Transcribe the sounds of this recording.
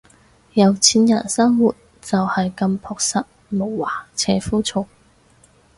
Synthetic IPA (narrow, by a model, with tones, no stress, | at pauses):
jɐ˨˧wt͡sʰiː˧˥njɐ̰˨˩nsɐ˥ŋwuː˨˩t̚ | t͡sɐ˨whɐ˨jkɐ˧mpʰɔː˧k̚sɐ˨t̚mo˨˩wwaː˨˩t͡sʰɛː˧fuː˥t͡sʰʊ˨˧ŋ̚